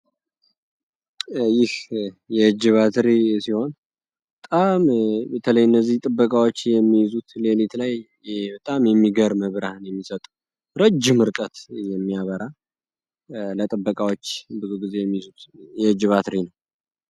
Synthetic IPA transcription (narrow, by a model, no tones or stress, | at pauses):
jɪhjɛɨd͡ʒɨβat̪ɾisiho̞n | bət̪ʼambət̪ʰələjɨnːəzːiht̪ʼɨbːəkʼawo̞t͡ʃːjɛmːijzut̪lelit̪laj | bət̪ʼamjɛmːiɡəɾməβɾahnjɛmːisət̪ʼəw | ɾəd͡ʒːɪmɨɾkʼət̪jɛmːijaβəɾa | lət̪ʼɨbːəkʼawo̞t͡ʃːbɨzuɡize̞jɛmːijzut̪jɛɨd͡ʒɨβat̪ɾinəw